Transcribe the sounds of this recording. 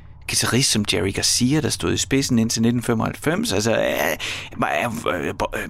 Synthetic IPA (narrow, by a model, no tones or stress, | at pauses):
ɡ̥it͡sʰæʁisd̥sɒ̽md̥æʁiɡ̥ɑsiːɐd̥ɑ̈sd̥o̝̰ð̰ˠisb̥e̝sn̩e̝n̰t͡sʰe̝lned̥n̩femɒhælfem̰sælsɒæ